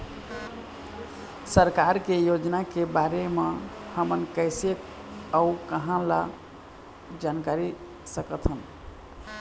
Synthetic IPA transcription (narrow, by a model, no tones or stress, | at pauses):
səɾkaɾkejod͡ʒnakebaɾemehəmənkəɪsek | aukəɦãla̰ | d͡ʒankaɾi | səkət̪ʰɦən